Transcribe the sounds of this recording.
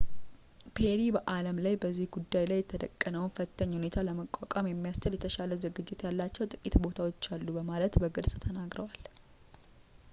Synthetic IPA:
pʰeɾibəʔaləmlajbəzːihɡud̪ːajlajːɛt̪ʰəd̪ə̰kʼːənəwnfət̪ʰːəɲːhune̞t̪ʰaləməkʷʼːakʼamjɛmːijast͡ʃəljɛt̪ʰəʃaləzɨɡɨd͡ʒːɪt̪jalːat͡ʃːɛwt̪ʼɨkʼit̪bo̞t̪ʰawo̞t͡ʃːalːubəmalət̪bəɡɨlsʼt̪ʰənaɡɾəwal

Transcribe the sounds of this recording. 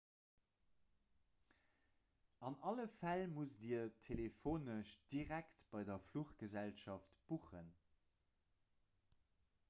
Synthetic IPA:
ɑnɑləfælmusdiɐtʰelefoːnəʃd̥iʁæktb̥ɑɪdɐfluχɡəzælʃɑftb̥uχən

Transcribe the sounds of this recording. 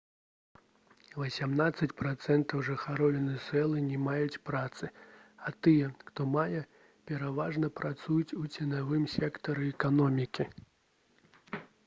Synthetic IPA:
vɐsʲamnat̪sːɐt͡sʲpɾat̪sɛnt̪ɐwʐɨxaɾɔlʲɛnɨsɛlˠɨnʲɛmajut͡sʲpɾat̪sɨat̪ɨjɛxt̪ɔmajɛ | pʲɛɾavaʐnɐpɾat̪sujut͡sʲut͡sʲɛnavɨmsʲɛkt̪ɐɾɨɛkanɔmʲikʲi

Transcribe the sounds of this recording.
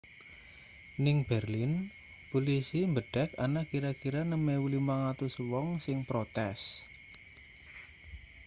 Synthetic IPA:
nɪŋb̥ɛrlɪn | polisimbəɖ̥ɛ̤kanakiɾakiɾanəmewulimaŋat̪ʊswɔŋsɪŋpɾot̪ɛs

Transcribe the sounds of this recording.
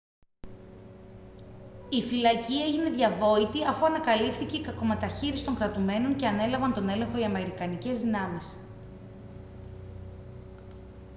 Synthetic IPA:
ifilɐcie̞ʝine̞ðʝɐvo̞it̪iɐfuɐnɐkɐlifθiceikɐko̞me̞t̪ɐçiɾisi̥t̪o̞ŋkɾɐt̪ume̞no̞ɲce̞ɐne̞lɐvɐnt̪o̞ne̞le̞ŋxo̞iɐme̞ɾikɐnice̞zðinɐmis

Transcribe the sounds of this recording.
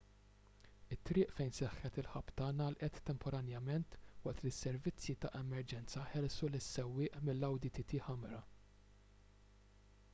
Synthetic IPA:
ɪt̪ːɾɪːʔfɛjnsɛħːɛt̪ɪlħɐpːt̪ɐːnɐːlʔɛt̪ːɛmpʰɔɾɐnjɐmɛnt̪wɐʔt̪lɪsːɛɾvɪt͡sːjit̪ɐʔɛmɛɾd͡ʒɛnt͡sɐħɛlsulɪsːɛwːɪːʔmɪlːɐwd̪it̪it̪iħɐmɾɐ

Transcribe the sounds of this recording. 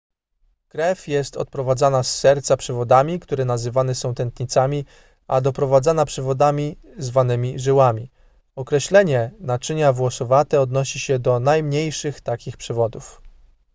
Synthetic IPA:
kɾɛfʲjɛst̪ɔt̪̚pɾɔvad̪zanasːɛɾt̪sapʂɘvɔd̪amʲikt̪uɾɛnazɘvanɛsɔ̃w̃t̪ɛnt̪ɲit̪samʲi | ad̪ɔpɾɔvad̪zanapʂɛvɔd̪amʲi | zvanɘmʲiʐɘwamʲi | ɔkɾɛɕlɛɲɛnat͡ʂɘɲavwɔsɔvat̪ɛɔd̪nɔɕiɕɛd̪ɔnajmɲejʂɘxt̪akʲixpʂɛvɔd̪uf

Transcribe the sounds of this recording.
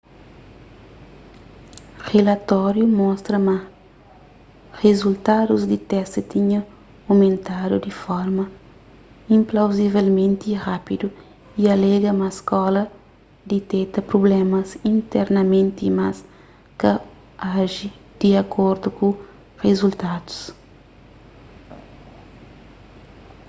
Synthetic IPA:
relɐt̪ɔɾjumɔst̪ɾɐmɐ | rezult̪ad̪uzd̪it̪ɛst̪it̪iɲɐ | omẽnt̪ad̪ud̪ifɔɾmɐ | ĩmplawzivelmẽnt̪irapid̪u | iɐlɛɡɐmɐskɔlɐ | d̪it̪ɛt̪ɐpɾoblɛmɐsĩnt̪ɛɾnɐmẽnt̪iːmas | kɐ | aʒi | d̪̥iɐkʰoɾd̪uku | rezult̪ad̪u̥s

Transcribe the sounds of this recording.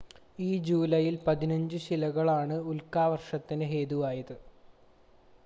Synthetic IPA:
iːd͡ʑuːlɐjilpɐðinɐɲd͡ʑɨɕilɐɣɐɭaːɳɨulkaːʋɐrʂɐt̪ːinɨɦeːðuʋaːjɐðɨ

